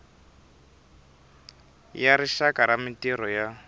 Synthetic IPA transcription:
jaɾiʃakaɾamɪtiɾɔja

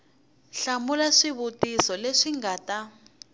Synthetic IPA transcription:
ɬamulaʂiβutisɔleʂiŋɡaːta

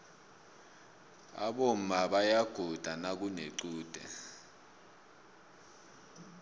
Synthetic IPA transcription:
a̰ɓom̩aɓajaɡ̥ʱud̥ʱanak̬uneǀuːd̥ʱɛ̰

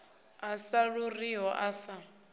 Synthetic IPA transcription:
asaɺʊriɔʔasa

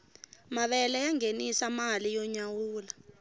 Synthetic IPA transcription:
maɓɛlɛjaŋenisamalijɔɲawuːla

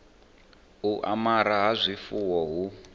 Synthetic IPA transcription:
uʔamaɾaɦazʷifuwɔɦu

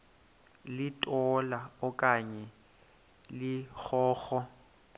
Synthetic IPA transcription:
lɪtʼɔlaʊkʼaɲɛ | lɪk͡xʰɔːxɔ

